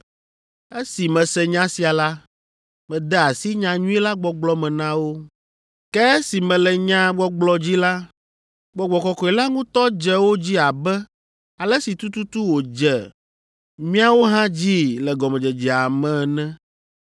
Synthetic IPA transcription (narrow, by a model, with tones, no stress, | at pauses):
e˦si˨mɛ̃˨sɛ˨ɲã˦si˨a˨la˦ | mɛ̃˨d̪ɛ˦a˨si˦ɲã˨ɲũ˦ɛ˦la˦ɡ͡bɔ˦ɡ͡blɔ˦mɛ̃˨nã˦wo˦ | kɛ˦si˨mɛ̃˨lɛ˨ɲã˦ɡ͡bɔ˦ɡ͡blɔ˨d͡ʑi˦la˦ | ɡ͡bɔ˨ɡ͡bɔ˨kɔ˨kɔ˨ɛ˨la˦ŋũ˦t̪ɔ˦d͡ʒɛ˦wo˦d͡ʑi˦a˨bɛ˦ | a˨lɛ˦si˨t̪u˦t̪u˦t̪u˦wo˨d͡ʒɛ˨ | mĩ˦a˦wo˦ɦã˦d͡ʑi˦lɛ˨ɡɔ˨mɛ̃˨d͡ʒɛ˨d͡ʒɛ˨a˨mɛ̃˦˨nɛ̃˦